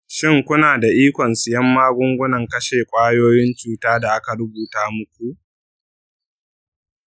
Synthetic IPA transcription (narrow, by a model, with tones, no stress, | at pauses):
ʃɪ˦˨ŋkʷʊ˦naː˨da˨ʔiː˦kʷɔ˨nsɪ˨jɐ˦mːaː˦ɡʷʊ˦ŋɡʷʊ˦nɐ˨ŋkɐ˦ʃeː˨kʷʼaː˦joː˦jɪ˦nt͡ʃuː˦taː˦da˨ʔa˦ka˨ɾʊ˦buː˨taː˦mʊ˦kʷu˨ʔ